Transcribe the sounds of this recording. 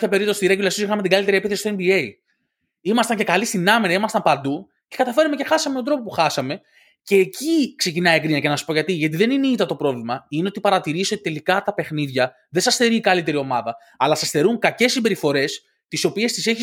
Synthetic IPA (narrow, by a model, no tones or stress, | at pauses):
ɐpeɾip̚t̪osi̥t̪iɾeɟulɐsisoixɐme̞t̪iɡɐlit̪eɾiepiθesist̪oembie̞i | imɐst̪ɐɲce̞kɐlist̪inɐmiɾɐimɐst̪ɐmpɐnd̪u | ce̞kɐt̪ɐfe̞ɾnumece̞xɐsɐmet̪od̪ɾo̞popuxɐsɐme̞ | ce̞ːcikse̞cinɐiekɾiɲɐcenɐsu̥spoʝɐt̪iʝɐt̪iðe̞nineit̪ɐt̪o̞pɾo̞vlimɐine̞o̞t̪ipɐɾɐt̪iɾisiot̪i̥t̪e̞likɐt̪ɐpe̞xniðʝɐ | ðesɐsθe̞ɾiːkɐlit̪e̞ɾio̞mɐðɐ | ɐlɐsɐsθe̞ɾuŋkɐce̞sːimbe̞ɾifo̞ɾe̞s | t̪iso̞pie̞st̪ise̞çi